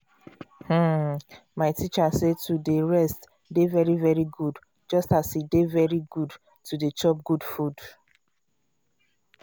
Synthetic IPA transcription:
hm̩ | maɪtʰit͡ʃasetudeɹɛst | devɛɹivɛɹiɡud | d͡ʒɔstashidevɛɹiɡud | tudet͡ʃɔp̚ɡudfud

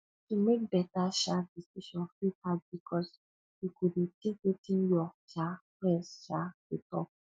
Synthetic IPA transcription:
tumek̚bɛtaʃadisiʃɔ̃nfɹiad̚bikʰɔs | jukuditekwitĩnjɔʃafɹɛ̃nsʃatutɔ̰p̚

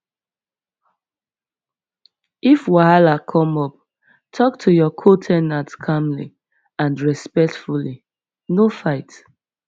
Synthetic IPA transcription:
ifwaɦalakʰɔ̃mɔp̚ | tʰɔk̚tʰujɔkʰotʰɛnatkʰamlḭ | ãnɹɛspɛk̚tfuli | nofaɪt

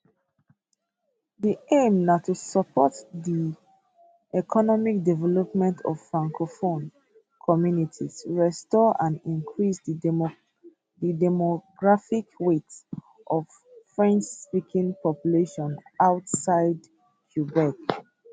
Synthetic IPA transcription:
diʔẽmnatusəpʰɔtdi | ɛkʰɔnɔmik̚dɛvɛlɔpmɛ̃ntʰɔ̰v̥fɹãŋkʰofõn | kʰɔmjunitʰisɹɛstɔʔãnĩnkʰɹisd | didɛmɔɡɹafikwets | ʔɔv | fɹɛ̃nt͡ʃspikʰĩŋpɔpjuleʃɔ̃naʊtsaɪd | kʰjubɛk

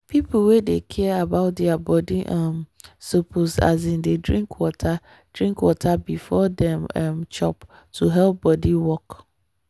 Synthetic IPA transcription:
pʰip̩ʰwedekʰɛabaʊt̚dɛabɔdiʔãmsopʰosa̰z̬ĩndedɹĩŋkʰwɔtʰa | d̥ɹĩŋkwɔtʰabifɔdɛ̃mɛ̃mt͡ʃʰɔ̰p | tʰuɦɛlp̚bɔdiwɔk

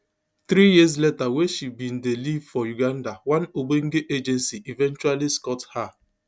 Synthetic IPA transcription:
θɾijiz̬letaweʃibin̩delivfɔjuɡan̩dawanoɡ͡beŋ̩ɡeʔed͡ʒɛnsiʔivɛnt͡ʃualiskɔtha

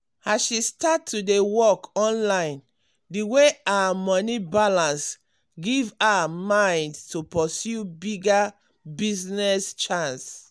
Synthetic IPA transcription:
aʃistatʰːudewɔkɔ̃nlãɪ̃n | diweawamɔnibalãns | ɡivawamãɪ̃ndtupɔsjubiɡa | biznɛst͡ʃãns

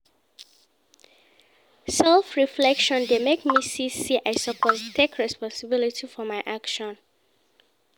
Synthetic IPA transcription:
sɛlˠfɹiflɛkʃɔ̃ndemekmisisiʔaɪsəpʰoztʰekʰɹɛspɔ̃nsɪbilitʰifɔmaɪʔakʃɔ̃n

